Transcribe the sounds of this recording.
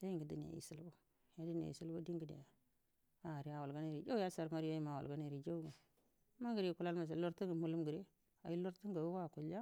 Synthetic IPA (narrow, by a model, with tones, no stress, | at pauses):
ja˦ji˦ŋɡi˨dḭ˦n˨ja̰˨ḭ˨si˦lbo˦ | ja˦di˦n˨a̰˨jḭ˨si˦lbo˦di˦ɡi˨dḭ˨a˨ | a˨ɾi˦a˨wa˨lɡa˦ni˦˨ɾi˨d͡ʒa˦ja˦sa˨ɾma˦ɾi˦ja˦ji˦ma˨wa̰˨lɡa˦ni˨ɾi˨d͡ʒa˦u˦ɡa˨˦ | ma˦ɡi˨ɾi˨ku˦la˦lma˨s̬a˨lo˦ɾti˦ŋɡi˨mu˨lu˦mɡi˨ɾe˦ | a̰˨ji˦lo˦ɾtu˦ŋɡa˨wu˦wa˦˨ku˨la˦